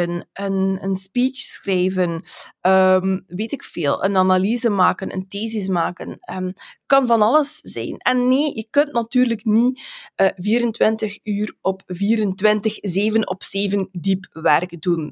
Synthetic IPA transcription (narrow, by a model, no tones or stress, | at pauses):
ənənənspiːt͡ʃsxrɛjvənəmʋeːtɪkfeːlˠə̰nanalizəmaːkənʔə̰nteːzɪs̬maːkənəkɑnvɑnɑləsz̥ɛ̰jnɛnːeːjəkɵntnatyːrləkniəviːɾəntwɪntəxyːrɔpviːɾəntʋɪntəxzeːvənɔ̰pseːvəndipʋɛrkdun